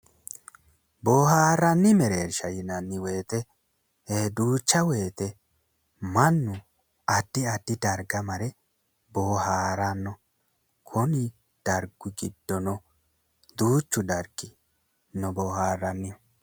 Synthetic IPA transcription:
boːhaːrːɐnːɪmɛɾeːɾʃɐjɪnɐnːɪwe̞ːt̪ɛ | eːd̪uːt͡ʃːɐwe̞ːt̪ɛ | mɐnːʊ | ɐd̪̥ːɪɐd̪̥ːɪd̪ɐɾɡɐmɐɾɛ | boːhaːɾɐnːɔ | kʰɔnɪ | d̪̥ɐɾɡʊɡɪd̪ːɔnɔ | d̪uːt͡ʃːʊd̪ɐɾɡɪ | nɔboːhaːrːɐnːɪ

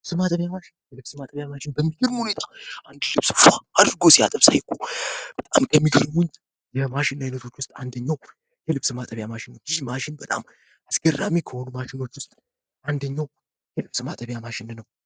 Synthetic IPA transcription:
ɨsɨmat̪ʼəβjamaʃɪnːjɛlɨβsɨmat̪ʼəβjamaʃɪnbəmːiɡɨɾmhune̞t̪ʰaʔand̪lɨβsfaad̪ɾɨɡosia̰t̪ʼəβsa̰jkʰːub̥ət̪ʼa̰mkʰəmːiɡɨɾmʊn | jɛmaʃɪnːajnət̪ʰo̞t͡ʃːwʊst̪ʼa̰nd̪əɲːaw | jɛlɨβsɨmat̪ʼəβjamaʃɪnːəwjɪmaʃɪnbət̪ʼa̰m | asɡ̥ərːa̰mikʰəhonumaʃɪno̞t͡ʃːwʊst̪ʼ | ʔand̪əɲːaw | jɛlɨβsɨmat̪ʼəβjamaʃɪnnəw

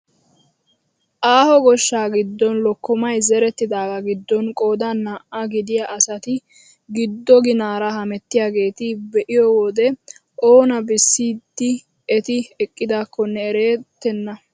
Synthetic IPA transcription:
ʔaːhɔɡɔʃːaːɡɪd̪ːɔnlɔkːɔmɐjzɛɾɛt̪ːɪd̪aːɡɐɡɪd̪ːɔnkʼo̞ːd̪anːaːʔɐɡɪd̪ɪjaʔɐsɐt̪ɪ | ɡɪd̪ːɔɡɪnaːɾɐɦɐmɛt̪ːɪjaːɡe̞ːt̪ɪbɛʔɪjɔwɔd̪ɛ | ʔoːnɐbɪsːiːd̪ːɪ | ɛt̪ɪɛkʼːɪd̪aːkʰːɔnːɛːɾeːt̪ːɛnːɐ

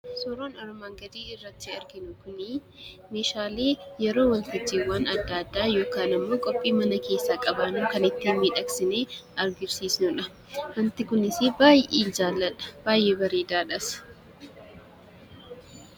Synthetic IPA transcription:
sɔɾoːnɐɾɔmaːŋɡɐd̪iːɪrːɐt̪ːɪɐɾɡɪnʊkʊnɪ | meːʃaːleːjɛɾo̞ːwɐnt̪ɪd͡ʒːiːwaːnɐd̪ːaːd̪ːaːjo̞ːkaːnɪmːo̞ːkʼɔpʼːiːmɐnɐke̞ːsːaːkʼɐbaːnuːkɐnɪt̪ːiːmiːᶑɐksɪneːɐɾɡɪɾsiːsnʊᶑɐ | wɐnt̪ɪkʊnɪsɪbaːjeːd͡ʒaːlːɐᶑɐ̥b̥aːjʔeːbɐɾeːd̪aːᶑɐs

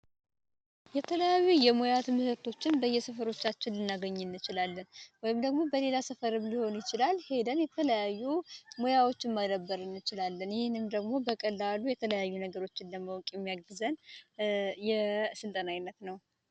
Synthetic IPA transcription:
jɛt̪ʰələjajːujɛmo̞jat̪mɨhɨɾt̪ʰo̞t͡ʃːɪnbəjːɛsəfəɾo̞t͡ʃːat͡ʃːɪnːɨnːaɡəɲːɪnːɨt͡ʃɪlalːənwɔjɪmd̪əɡmo̞bəle̞lasəfəɾɨβliho̞njɪt͡ʃɪlalhe̞d̪ənjɛt̪ʰələjajːumo̞jawo̞t͡ʃːɪnməd̪əbːəɾɨnːɨt͡ʃɪlalːənjɪhɪnːɨmd̪əɡmo̞bəkʼəlːalujɛt̪ʰələjajːunəɡəɾo̞t͡ʃːɪnləməwkʼjɛmːijaɡɨzən | jɛsɨlt̪ʼənajɪnːət̪nəw

